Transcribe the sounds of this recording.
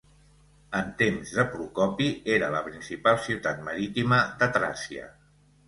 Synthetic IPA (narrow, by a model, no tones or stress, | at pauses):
ənt̪emzðəpɾukɔpieɾələpɾinsipalˠsiwt̪at̪̚məɾit̪iməd̪ət̪ɾa̰siə̰